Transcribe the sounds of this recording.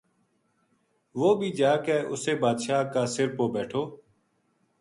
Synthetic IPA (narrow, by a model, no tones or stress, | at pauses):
ʋoːbʱiːd͡ʒaːkeːʔʊseːbaːd̪ʃaːkaːsɪɾpoːbɛːʈʰoː